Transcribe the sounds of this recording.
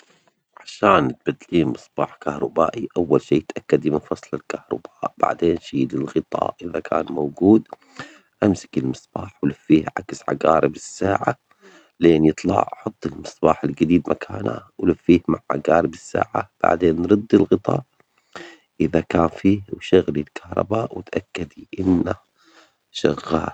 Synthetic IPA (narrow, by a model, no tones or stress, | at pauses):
ʕaʃaːnɪt̪̚bad̪liːmɨsˤb̥ɑːħkahɾˤʊbaːʔiʔawːalʃiːɪt̪ʔakːad̪imɪnfɑsˤlɪlkahɾˤɑ̰b̥aːʔba̰ʕd̪eːnʃiːlɪlɣɨt̪ˤɑ̰ːʔʔɪðakʰa̰ːnmawɡuːd̪ | ʔamsɪ̥kɪlmɨsˤb̥ɑːħwlafːiːhʕa̰ksʕa̰ɡaːɾɪbɪsːaːʕa | leːnjɨt̪ˤlɑ̰ʕħʊt̪ˤːɨlmɨsˤbɑːħɪlɡad̪iːd̪mʔakʰaːna̰wlafːiːhmaʕʕa̰ɡaːɾɪbɪsːa̰ːʕab̥a̰ʕd̪eːnːɾˤɨd̪ːɪlɣɨt̪ˤɑ̰ːʔ | ʔɪðakaːnfiːhwʃaɣlilkʰahɾˤɑ̰baːʔwɪt̪ʔakːad̪iʔɪnːa | ʃaɣːaːl